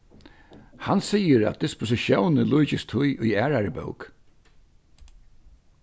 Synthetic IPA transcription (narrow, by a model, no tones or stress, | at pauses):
hansiːjəɾa̰t̪̚d̪ɪspʊs̬ɪʃjownəlujt͡ɕɪst̪ʰʊjʔʊjæːɾaɹəbœ̰wk